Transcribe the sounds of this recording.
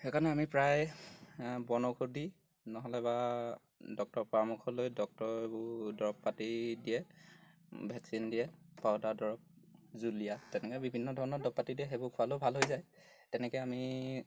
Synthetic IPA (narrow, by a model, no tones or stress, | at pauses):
ɛkʰanɛamipɹaj | bɔnɔɡʰʱuɹdi | nɔɦɔlɛba | dɔk̚tɔɹpɔɹamukʰɔlojdɔk̚tɔɹebʊdɔɹɔpːatidijɛ | bʱɛksindijɛpaɔdadɔɹɔp̚ | zulijatɛnɛkɔbibʱinːɔdʱɔɹɔnɔɹdɔpːatidiɛɦebʊkʰʊalobʱalɦojzaj | tɛnɛkɛami